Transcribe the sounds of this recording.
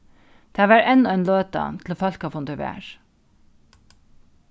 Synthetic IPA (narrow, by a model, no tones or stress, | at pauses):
d̪̥æːʋæːɾɛnɔeːnløːt̪ɑ̰t̪ʰl̩oːfɑlkɑfʊnd̪əʋæ̰ːɹ